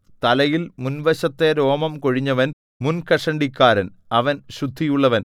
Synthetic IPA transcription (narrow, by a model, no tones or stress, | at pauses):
t̪ɐlɐjilmunʋɐɕɐt̪ːeɾo̞ːmɐmko̞ɻiɲːɐʋɐn | munkɐʂɐɳɖikʲːaːɾɐn | ɐʋɐnɕud̪ʱːijuɭːɐʋɐn